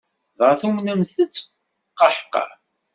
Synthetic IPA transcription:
ðˤʁəɾθumnənθət͡sː | qːɑħqːɑ̰ɾ

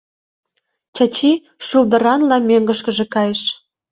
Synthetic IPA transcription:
t͡ɕɑt͡ɕi | ʃuld̪ə̆ɾɑnlɑmøŋɡə̆ʃkə̆ʒĕkɑjeʃ

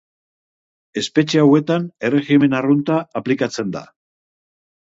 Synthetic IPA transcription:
e̞spe̞t͡ʃeawe̞t̪ane̞re̞xime̞narunt̪aːplikat͡se̞nd̪a̰

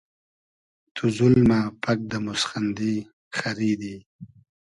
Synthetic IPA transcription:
t̪ʰuzulmapʰak̚d̪əmʊsxand̪i | xaɾid̪i

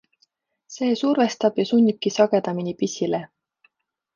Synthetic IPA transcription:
se̞ːsurve̞st̪ɑb̥jɑsunʲːikːisɑɡ̥e̞d̪̥ɑminipisʲile

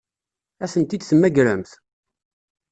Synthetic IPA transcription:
æsənt̪id̪θəmːæɡɾəmθ

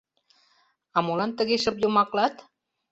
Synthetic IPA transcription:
ɑmolɑnt̪əɣeʃəpjomɑklɑt̪

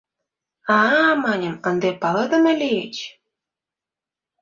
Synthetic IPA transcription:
ɑmɑnʲə̆mənd̪epɑlɤd̪ə̆məlejet͡ɕ

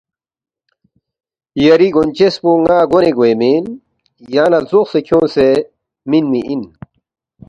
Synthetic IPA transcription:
jɐɾiɡont͡ɕespuŋaːɡoneɡoemin | jaːnɐlzoxsekʰjõːse | minmiʔin

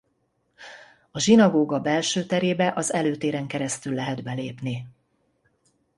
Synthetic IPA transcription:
ɒʒinɒɡoːɡɒbɛlʃøːt̪ɛɾeːbɛʔɒzɛløːt̪eːɾɛŋkɛɾɛst̪ylːɛɦɛd̪bɛleːpni

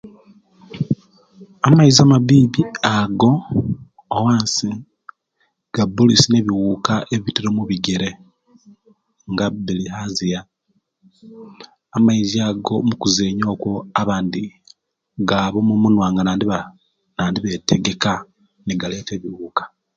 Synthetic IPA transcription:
amaizamaβiːβiaɡo̞ː | waːnsi | ɡ̥abulisine̞βiwuːkaʔeβitiɾomuβiɡeɾe̞ | ŋɡabilihazija | amaiziaɡo̞mukuze̞ːɲo̞ːkwoaβaːndi | ɡaːβomumunwaːŋɡanaːndiβa | naːndiβe̞teɡe̞ka | niɡale̞ːte̞ːβiwuːkḁ

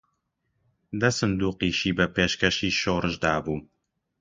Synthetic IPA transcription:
d̪ɐsɨnd̪uːqiːʃiːbɛpeːʃkɛʃiːʃoːɾɨʒd̪aːbuː

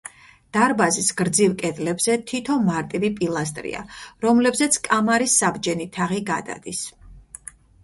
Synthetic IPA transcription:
d̪̥aɾbazisɡɾd̪zivkʼɛd̪lɛbzɛt̪ʰit̪ʰɔmaɾt̪ʼivipʼilˠast̪ʼɾḭa̰ɾɔmlɛbzɛt̪sʰkʼamaɾisːabd͡ʒɛnit̪ʰaʁiɡad̪a̰d̪̥is

